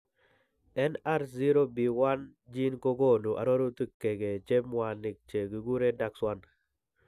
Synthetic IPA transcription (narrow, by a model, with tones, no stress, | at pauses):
ɛ˦na˦ɾzi˦ɾo˦bi˨wa˦nd͡ʒi˦nko˦ɡo˦˨nu˨ʔa̰˨ɾo˦ɾo˦t̪i˦˨kːe˨ɡe˨t͡ʃe˦mwa˨nɪ˨k̚t͡ʃe˨ɡi˨ɡu˦ɾe˦da˨kswa˦n